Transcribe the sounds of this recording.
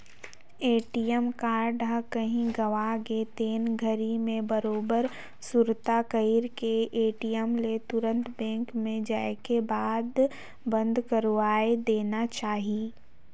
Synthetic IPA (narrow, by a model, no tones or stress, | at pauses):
eːʈiɛmkaːɾɖakɐɦĩɡɐʋaɡet̪eːnɡʱəɾimẽbɐɾoːbəɾ | sʊɾt̪akəiɾkeʔeːʈijɛmlet̪ʊɾə̃nt̪bɛ̃ːŋkmẽd͡ʒaːekebaːd̪ | bɐ̃nd̪ʱkɐɾʋaːed̪eːnat͡ʃaːɦiː